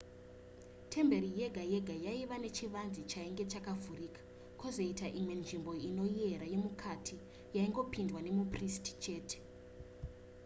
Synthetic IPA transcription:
tʰe̞mbe̞ɾije̞ɡʱaje̞ɡʱajaiʋane̞t͡ʃiʋand͡zit͡ʃaiŋɡe̞t͡ʃakavʱurikḁ | kozo̞itaʔimwe̞nʐimbo̞ino̞ie̞ɾaje̞mukʰatʰi | jaiŋɡo̞pindwane̞mupristi̥t͡ʃe̞ːte̥

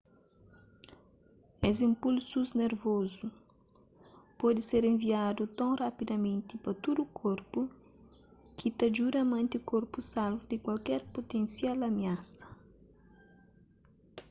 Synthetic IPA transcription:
ezĩmpulsuzneɾvozu | pɔd̪ɪseɾẽɱviad̪ut̪õŋrapid̪ɐmẽnt̪ipɐt̪ud̪ukʰoɾpu | kʰit̪ɐd͡ʒuɾɐmẽnt̪iukoɾpusalvud̪ɪkwalkɛɾpot̪ẽnsjalɐmiasɐ̥

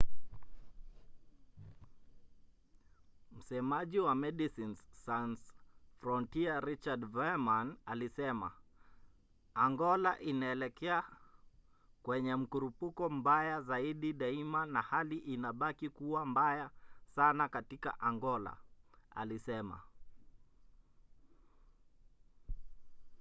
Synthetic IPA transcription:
m̩sɛmaʄiwamɛɗisinzsansfɾɔntiaɾit͡ʃadvɛmanalisɛma̰ | aŋɡɔlaʔinaɛlɛkɛa | kwɛɲɛm̩kuɾupukɔm̩bajazaiɗiɗaimanahaliʔinaɓakikuwambajasanakatika̰ʔaŋɡɔla̰a̰lisɛma̰

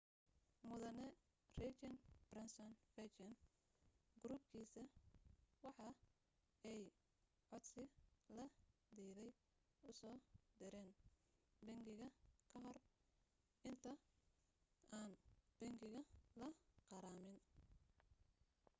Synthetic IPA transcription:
mʊðɐnɛ | rɛt͡ʃɐnb̥rɐnsɔnfɛt͡ʃɛn | ɡʊɾuːb̚kʰiːsɐ | wɑħɑ | ɛj | ʕɔd̪sɪlɐd̪iːðɛj | ʊsɔːd̪ɪɾɛːn | bɐŋɡɪɣɐkʰɐɦɔr | ɪnt̪ʰɐ | aːnb̥ɛŋɡɪɣɐlɐqɑɾaːmɪn

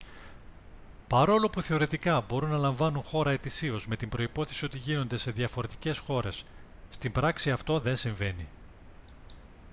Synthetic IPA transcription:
pɐɾo̞lo̞puθe̞o̞ɾe̞t̪ikɐbo̞ɾunːɐlɐɱvɐnuŋxo̞ɾɐe̞t̪isio̞zme̞t̪imbɾo̞ipo̞θe̞sio̞t̪iʝino̞nd̪e̞se̞ðjɐfo̞ɾe̞t̪i̥ce̞sxo̞ɾe̞sː | t̪imbɾɐksiɐft̪o̞ðe̞nsiɱve̞ni

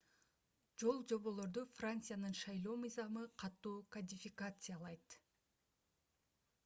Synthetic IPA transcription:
d͡ʒo̞lˠd͡ʒo̞βo̞lˠo̞ɾd̪ufrant̪sɨjanɯnʃɑjlˠo̞ːmɯjzɑmɯqʰɑt̪ːuːkɐdʲɪfʲɪkat̪sɨjalˠɑjt̪

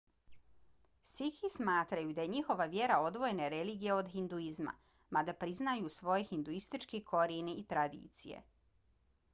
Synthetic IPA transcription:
sixismaːt̪ɾajud̪aje̞ɲixo̞ʋaʋje̞ɾao̞d̪ʋo̞jeneɾeliːɡijeo̞d̪xind̪uizma̰ | mad̪apɾiznajuːsʋo̞jexind̪uist̪it͡ʃkikʰo̞ɾiniːt̪ɾad̪ḭːt̪sijḛ

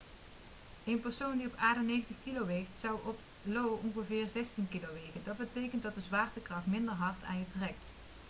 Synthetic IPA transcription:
ejnpəɹsowndiɔpaːɹdənejχəntəχkilowʋejktsɑwɔp | lowɔŋɣəvɪːrzɛstinkilowʋejkəndɑt̚bətejkəntdɑt̚dəzʋaːɹtəkrɑχtmɪndəɹɦɑɹtʰa̰ːnjətrɛk̚t

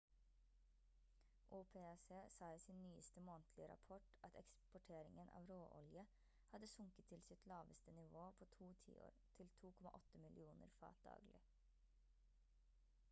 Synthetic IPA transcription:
ʔuːpʰeːseːsɑːiːsinnyːəst̪əmoːnt̪ʰlɪəɾɑ̰pʰɔʈʔɑt̪ʰɛkspɔʈʰeːɾɪŋənʔɑ̰ːʋɾoːʔɔ̰ljə | hɑd̪əsʊŋkət̪ʰːɪlsɪt̪ʰlɑːʋəst̪ənɪʋoːpʰoːt̪ʰuːt̪ʰḭːo̰ːɾt̪ʰɪlt̪ʰuːkʰɔmɑ̰ʔɔt̪əmɪlʔɪuːnə̰ɾfɑ̰ːt̪̚d̪̥ɑ̰ːɡlɪ̰

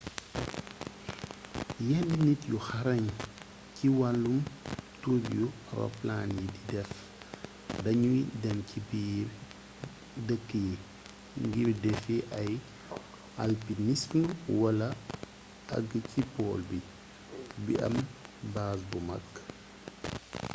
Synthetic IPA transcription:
jɛndinitjuxɐaɾɐɲ | ciwallumtubju | rɔ̰plaːnjididɛf | dɐɲujidɛmcibi | dəkːəji | ŋɡirdɛfiʔɐj | a̰lpinisnwɐlɐ | ɐ̰ɡəcipɔːlbi | bḭʔɐ̰mbaːsbumɐ̰kː

